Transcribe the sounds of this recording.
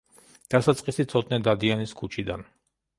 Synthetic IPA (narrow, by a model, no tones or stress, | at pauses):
d̪̥asat̪sʼqʼisit̪sʰɔt̪nɛd̪ad̪ianiskʰut͡ʃʰid̪an